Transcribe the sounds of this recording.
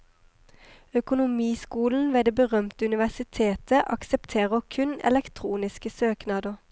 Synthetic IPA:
œkʊnʊmiːskuːln̩ʋeːd̪eːbəʁœmt̪əʉnɪʋæsɪt̪ʰeːt̪əʔɑksɛpt̪ʰeːʁəkʰʉnɛ̰lɛkt̪ʰʁuːnɪskəsøːknɑːd̪əʁ

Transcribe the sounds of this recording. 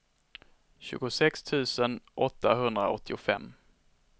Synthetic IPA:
ɕʉ̟̰ːɡʊsɛkst̪ʰʉ̟ːsənʔɔt̪ːaɦɵnd̪ɾaɔt̪ʰːɪʊfɛ̰mː

